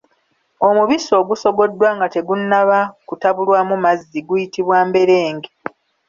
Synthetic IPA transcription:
o̞muβiso̞ːɡuso̞ɡo̞dːwaːŋɡate̞ɡunːaβakutaβulwaːmumazːiɡujitiβwaːmbe̞ɾe̞ːŋɡe

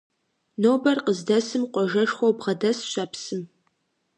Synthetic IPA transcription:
noːbɐrqəzdɐsɨmqʷɔʒɐʂxʷowbʁɐdɐsɕʷɐpsɨm

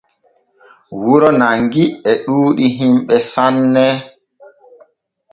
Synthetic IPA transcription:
wuɾɔnaŋɡiɛɗuːɗiɦimɓɛsanːɛ

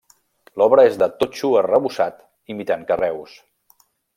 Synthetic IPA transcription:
lɔβɾəezðət̪ot͡ʃuərəβusat̪ | imit̪aŋkərɛws

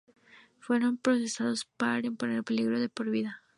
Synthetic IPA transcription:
fwe̞ɾo̞mpɾo̞se̞sað̞o̞spaaimpo̞ne̞ɾpe̞liɣɾo̞ðe̞po̞ɾβiða

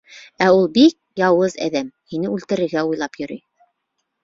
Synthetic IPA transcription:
æulˠbik̚jɑwɤzæ̰ðæmhinɘʉlt̪ɘ̆ɾɘ̆ɾɡæujlˠɑpjɵ̆ɾy̰j

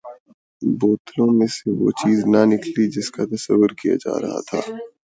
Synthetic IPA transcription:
boːt̪lõmẽseʋo̰ːt͡ʃiːznɐnɪklid͡ʒɪskat̪ɐsɐ̰ʋːʊɾkija̰d͡ʒa̰ːɾɐ̰ɦa̰t̪ʰa̰ː

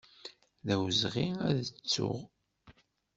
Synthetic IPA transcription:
ðæwzʁiæðət͡sːʊ̰ʁ

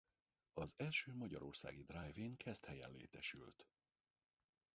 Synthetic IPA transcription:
ɒzɛlʃøːmɒɟɒɾo̞̰rsa̰ːɡid̪rajviŋkʰɛst̪hɛjɛ̰nlḛːt̪ɛʃylt̪

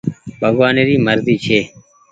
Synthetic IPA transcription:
bʱəɡwaːneːɾiːməɾd̪iːt͡ʃʰeː

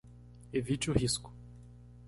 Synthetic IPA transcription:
evit͡ʃɪʊhiskʊ̥

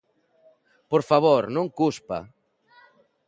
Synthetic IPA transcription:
poɾfaβoɾnõŋkuspa̰

